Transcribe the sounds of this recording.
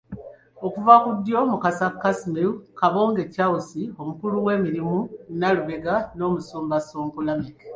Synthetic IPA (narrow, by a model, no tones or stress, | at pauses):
okuvakudːjo̞mukasakːasimeukaβoːŋɡe̞causio̞mukuluwe̞ːmiɾimunaluβeɡano̞ːmusuːmbasoːmpulameke